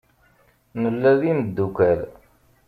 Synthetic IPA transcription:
nəlːæðiməd̪ːukæl

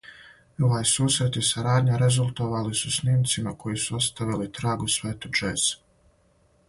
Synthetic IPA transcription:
o̞ʋajsuːsɾet̪isaɾaːd̪ɲaɾe̞zulˠt̪o̞ʋalisusniːmt̪simakʰo̞jisuost̪aʋilit̪ɾaːɡusʋe̞ːt̪ud͡ʒeːz̥

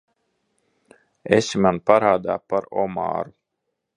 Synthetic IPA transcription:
ḛsimanpaɾaːd̪aːpaɾɔ̰ma̰ːɾu

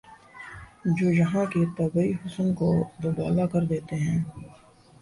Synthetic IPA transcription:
d͡ʒoːjɐɦãket̪ɐbəiɦʊsənkod̪ʊbaːlakɐɾd̪eːt̪eɦɛ̃ː

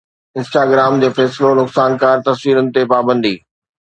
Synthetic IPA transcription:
ɪ̃nsʈaːɡɾaːmd͡ʑeːfɛːsɪlonʊksaːnkaːɾt̪ɐsʋiːɾənɪ̆t̪epaːbə̃nd̪iː

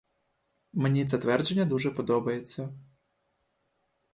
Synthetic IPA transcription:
mnʲizɐt̪ʋɛrd͡ʒenʲːɐd̪uʐɛpɔd̪ɔbɐjet͡sʲːɐ

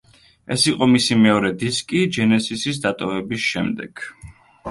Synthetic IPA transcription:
ɛ̰siqʼɔmisimɛɔɾɛd̪iskʼid͡ʒɛnɛsisisd̪at̪ʼɔvɛbisʃɛmd̪ɛɡ̥

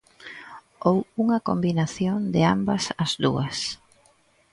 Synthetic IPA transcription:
owuŋɐkombinaθjond̪ɪa̰mbɐsɐzd̪ṵɐs

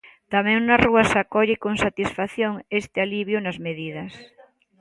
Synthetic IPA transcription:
t̪amɛ̃ŋnaruɐsakɔʎɪkoŋsat̪isfaθjoŋest̪ɪaliβjʊnɐzmeðið̞ɐs

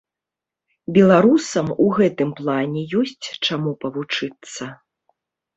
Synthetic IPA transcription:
bʲɛlˠaɾusɐmuɣɛt̪ɨmplˠanʲɛjɔsʲt͡sʲt͡ʂamupɐvut͡ʂɨt̪sːɐ

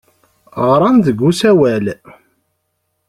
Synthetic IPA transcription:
ʁɾˤɑnðəɡːusæwæl

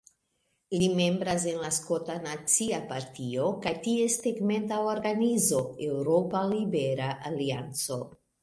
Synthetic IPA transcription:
ilime̞mbɾaz̬e̞nlaskotanat͡siapaɾtiokajtiesteɡme̞ntaoɾɡanizo̞ewɾopalibeɾaʔaliant͡so

